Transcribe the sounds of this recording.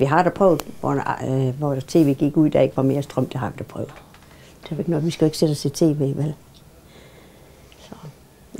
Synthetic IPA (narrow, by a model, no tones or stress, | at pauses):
ʋiɦɑ̈d̥æpʰʁɔʊð̩ˠʋɒ̰nʋɒt͡sʰe̝̰ːʋe̝̰ːɡ̥iɡ̥uð̰ˠd̥æe̝ɡ̥əʋɑ̈me̝ːɐsd̥ʁœm̰d̥eɦɑ̈ʋid̥æpʰʁœ̰ʊ | d̥e̝ʋæe̝ɡ̥nɒðˠʋisɡ̥æe̝ɡ̥sed̥ɒst͡sʰit͡sʰe̝̰ːʋe̝̰ːʋæl | sɒ